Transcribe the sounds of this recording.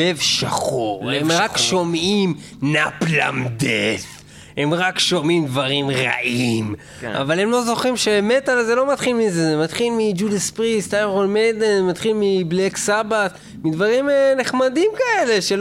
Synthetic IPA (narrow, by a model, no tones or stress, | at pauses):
evʃaχoʁemʁakʃo̞mim | napla̰md̪ef | he̞mʁakʃo̞mimd̪vaʁimʁa̰ʔim | ʔa̰vale̞mlo̞zo̞χimʃemet̪alazelo̞matχilmizezemat̪χilmid͡ʒudespʁist̪ajʁolmedenzemat̪χilmibleksabat̪ | mid̪vaʁimneχmadimkae̞le̞ʃe